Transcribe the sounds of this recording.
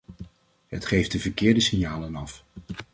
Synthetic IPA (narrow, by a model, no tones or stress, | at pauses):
ɦətχejfdəvəɹkɪːɹdəsɪnjaːlənɑf